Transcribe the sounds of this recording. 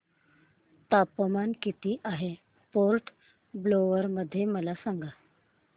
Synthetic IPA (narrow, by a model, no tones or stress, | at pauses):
t̪apəmankit̪iːʔaɦe | poɾʈ | bloʋəɾməd̪ʱːjeməlasaŋɡa